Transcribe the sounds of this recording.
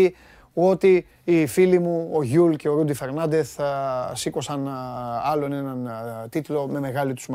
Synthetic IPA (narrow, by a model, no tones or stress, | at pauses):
i | o̞t̪iː | filimuo̞ʝulce̞o̞ɾud̪ife̞ɾnɐnd̪e̞θsiko̞sɐnɐlo̞ne̞nɐnt̪it̪lo̞me̞me̞ɣɐlit̪u̥sm